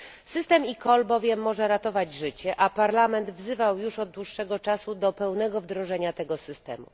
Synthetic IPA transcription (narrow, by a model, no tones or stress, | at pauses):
sɘst̪ɛmikɔlbɔvʲjɛmːɔʐɛɾat̪ɔvad͡ʑʐɘt͡ɕɛʔapaɾlamɛnd̪vzɘvawjuʂɔd̪d̪wuʂːɛɡɔt͡ʂasud̪ɔpɛwnɛɡɔvd̪ɾɔʐɛɲat̪ɛɡɔsɘst̪ɛ̰mṵ